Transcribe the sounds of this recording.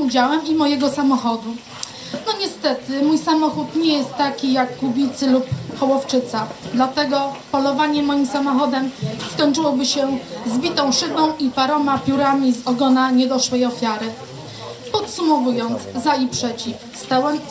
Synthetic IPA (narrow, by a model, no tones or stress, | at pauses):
ud͡ʑawɛmimɔjɛɡɔsamɔxɔd̪u | nɔɲɛst̪ɛt̪ɘmujsamɔxut̪ɲɛjɛst̪ːakʲijakːubʲit̪sɘlupxɔwɔft͡ʂɘt̪sad̪lat̪ɛɡɔpɔlɔvaɲɛmɔjimsamɔxɔd̪ɛmskɔɲt͡ʂɘwɔbɘɕɛzbʲit̪ɔ̃w̃ʂɘbɔ̃w̃ipaɾɔmapʲjuɾamʲizɔɡɔnaɲɛd̪ɔʂwɛjɔfʲjaɾɘ | pɔt̪sumɔvujɔnt̪zzaipʂɛt͡ɕifst̪awɛm